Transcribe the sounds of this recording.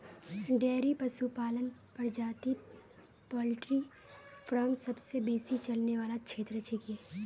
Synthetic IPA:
ɖeːɾipɐsupaːlənpɐɾd͡ʒaːt̪i | pɔːlɪʈɾi | fɾɔːmsɐbsebeːsit͡ʃɐlneʋaːlakʃʰeːt̪ɾət͡ʃikieː

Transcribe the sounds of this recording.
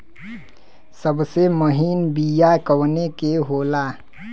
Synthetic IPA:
səbseməɦinbijakəwnekeɦoːla

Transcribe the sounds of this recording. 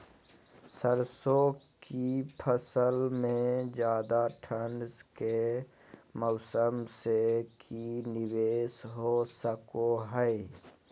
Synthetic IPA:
səɾsõkipʰəsəlmẽd͡ʒjaːd̪aʈʰənske | mɔʊsəmsekinɪʋeːsɦosəkoɦɛe

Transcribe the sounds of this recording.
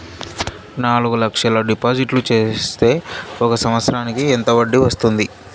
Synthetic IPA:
naːluɡulɐkʂɐlɐɖipaːd͡ʒiʈlut͡ʃe̞ːst̪e̞ːɔkɐsɐmɐt̪sɾaːnikient̪ɐʋɐɖːiʋɐst̪und̪i

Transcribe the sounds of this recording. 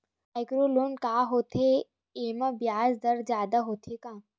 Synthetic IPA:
ajkɾoloːnkaːɦoːt̪ʰe | eːmɐbjaːzd̪ɐɾd͡ʒjaːd̪aɦoːt̪ʰekãː

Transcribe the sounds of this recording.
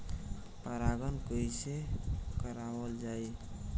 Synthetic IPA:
pəɾaɡənkəjsekəɾabəld͡ʒaj

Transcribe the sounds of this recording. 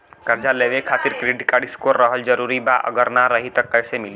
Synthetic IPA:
kəɾd͡ʒaleʋekʰaːt̪iɾkɾiɖkaɽiskoɾːəɦəld͡ʒəɾuɾibaʔə̰ɡəɾnaɾəɦit̪əkːəjsemili

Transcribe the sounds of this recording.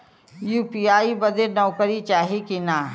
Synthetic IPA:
juːpiaːibəd̪enɔːkəɾit͡ʃaːɦikinaː

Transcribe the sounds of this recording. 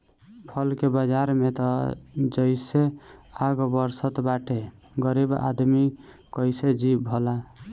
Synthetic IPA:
pʰʌlkebad͡ʒaɾmet̪ɔd͡ʒəɪseaɡbəɾsət̪baʈe | ɡəɾiba̰d̪mi | kəjsed͡ʒibʱɔla

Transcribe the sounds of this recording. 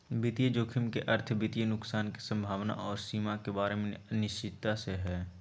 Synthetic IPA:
bɪt̪ijəd͡ʒoːkʰɪmkeʔɐɾt̪ʰbɪt̪ijənʊksaːnki̥sə̃mbʱaːʋna̰ʔɔːɾsiːmakebaːɾemẽnɪʃt͡ʃɪd̪̚t̪aseɦɛː

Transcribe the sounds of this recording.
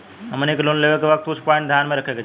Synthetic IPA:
ɦəmənekloːnleʋekeʋək̚t̪ʊt͡ʃʰpɔ̃ːɪ̃ɳʈd̪ʱjaːnmẽɾɐkʰeɡe

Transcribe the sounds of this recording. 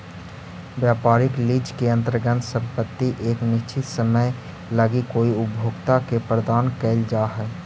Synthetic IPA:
ʋjaːpaːɾɪkliːd͡ʒkeɐ̃nt̪ɾəɡənsə̃mpət̪ːiʔeːknɪʃt͡ʃʰit̪səməj | ləɡikoːiʊbʱjoːɡt̪akepɾəd̪aːnkɛːld͡ʒaːɦɛː

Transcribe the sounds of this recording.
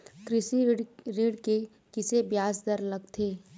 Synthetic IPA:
kɾɪsiɾɪɽke | kɪsebjaːsd̪əɾləɡt̪ʰeː

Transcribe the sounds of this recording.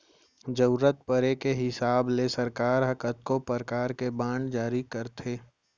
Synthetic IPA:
d͡ʒɐʊɾət̪̚pəɾekeɦɪsaːblesɐɾkaːɾɦɐkət̪̚kopəɾkaːɾkebãːɳɖd͡ʒaːɾikəɾt̪ʰeː

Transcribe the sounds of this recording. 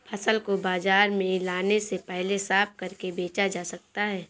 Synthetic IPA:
pʰɐsəlkobaːzaːɾmẽlaːnesepɛɦlesaːp̚kɐɾkebeːt͡ʃad͡ʒaːsɐk̚t̪aɦɛː

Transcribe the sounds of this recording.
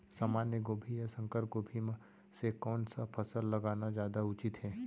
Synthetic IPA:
saːmaːnjəɡoːbʱijəsə̃ŋkəɾp̚ɡoːbʱim | sekɔːnsapʰɐsəlːɐɡaːnad͡ʒjaːd̪aʊt͡ʃɪt̪ɦɛː

